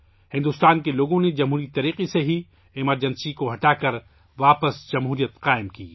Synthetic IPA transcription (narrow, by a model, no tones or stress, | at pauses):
hɪ̃nd̪ʊːst̪aːnkeloːɡõned͡ʒɐmɦuːɾit̪ɐɾiːqeseɦi | ɪməɾd͡ʒɐnsikoɦɐʈaːkɐɾ | ʋaːpəsd͡ʒɐmɦuːɾijət̪qaːɪmkḭː